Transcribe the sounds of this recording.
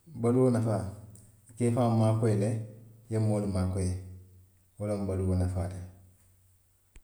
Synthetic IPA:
baluwonafaː | keːfaːmaːkɔjilɛjemːoːlumaːkɔje | wolombaluwonafa̰ːle

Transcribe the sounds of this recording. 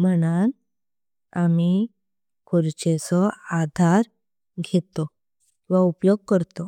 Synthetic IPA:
m̤əñan | ami | kʰoɾt͡ɕesɔad̪ʱaɾ | ɡʱet̪ɔ | ʋaupjoɡ̚kəɾt̪o

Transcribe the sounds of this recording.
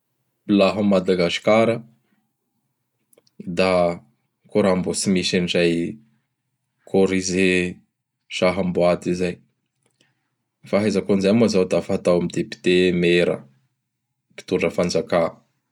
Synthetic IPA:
ilaɦəmːad̪aɡasi̥kaɾə | d̪a | koɾambosimisanizaj | kʰoɾize | ʃaɦamboad̪izaj | faɦazakonzajmazawd̪afaɦat̪awamid̪epi̥t̪emeɾə̰ | pi̥t̪uɖ͡ʐəfand͡zaka

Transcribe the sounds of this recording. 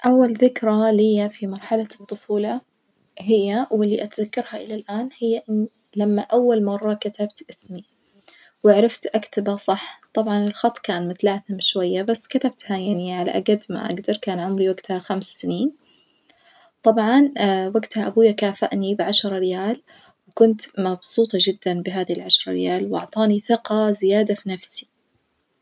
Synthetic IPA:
ʔawːalðɪkɾˤalɪjːafimɑɾˤħalat̪ˤːʊfuːla | hɪjːawɪlːiʔat̪ðakːɑɾˤhaʔɪlalʔaːnhɪjːaʔɪnː | lamːaʔawːalmɑrˤːɑkat̪abt̪ʔɪsmi | wɪʕɾˤɪft̪ʔakt̪abasˤɑħt̪ˤɑbʕɑnɪlxɑt̪ˤːkaːnmʊt̪laʕθɪmʃwajːabasːkat̪ab̚t̪hajaʕniʕala̰ʔaɡad̪ma̰ʔa̰ɡd̪ɑɾˤkaːnʕʊmɾiwaɡt̪haxamssɪniːn | t̪ˤɑbʕɑnwaɡt̪haʔabuːjːakaːfa̰ʔnibɪʕaʃɾˤɑɾɪjaːl | wkʊnt̪mɑbsˤuːt̪ˤɑd͡ʒɪd̪ːanbɪɦaːðilʕaʃɾˤɑ̰ɾɪ̰jaːlwʔɑ̰ʕt̪ˤɑːniθɪqɑzɪjaːd̪afinafsi̥

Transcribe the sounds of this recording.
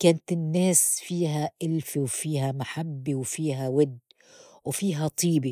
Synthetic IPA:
kaːnt̪ɪnːeːsfiːɦaʔɪlfiwfiːɦamaħabːiwfiːɦawɪd̪ː | wfiːɦat̪ˤʰiːbi

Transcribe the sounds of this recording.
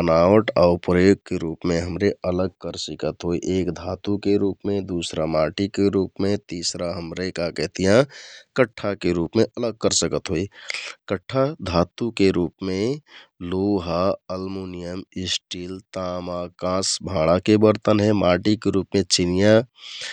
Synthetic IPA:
ənaʋəʈaːʊɾpɾəjoɡ̚keɾupmẽɦəmɾeʔələɡ̚kəɾsikət̪ɦoiʔeːkd̪ʱat̪ukeɾuːpmẽd̪usɾamaʈikeɾuːpmẽt̪isɾaɦəmɾekakɛɦt̪ijãkəʈʰːakeɾupmeʔələɡ̚kəɾsəkət̪ɦoikəʈʰːad̪ʱaːt̪ukeɾuːpmẽloɦaəlmunijəmɪsʈiːlt̪amakãsbʱãːɽ̃akebəɾt̪ənɦɛmaʈikeɾupmẽt͡ʃinija

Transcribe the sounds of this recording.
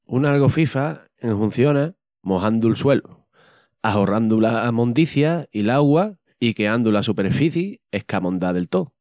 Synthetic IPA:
unalɣo̞fifa | eŋhun̟θjo̞na | mo̞ɦand̪ulswe̞lu | aɦo̞rand̪ulamõ̞nd̪iθjailaɣwa | ike̞and̪ulasupe̞ɾfiθjiehkamõ̞nd̪aðe̞lt̪o

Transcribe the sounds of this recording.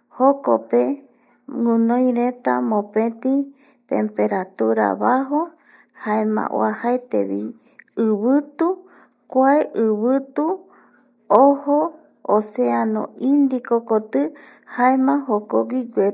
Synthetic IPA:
hoko̰pe | ŋũnõj̃ɾet̪a̰mõpẽt̪i | t̪ḛmpeɾat̪uɾa̰βaɦo | haemã̰ʔwo̰ahaet̪ḛβi | ɨβɨt̪u | kʷaeʔɨβɨt̪u | oho | oseãnõ̰ĩnd̪ikokot̪ɨ | haemãɦokoɡiɡʷe

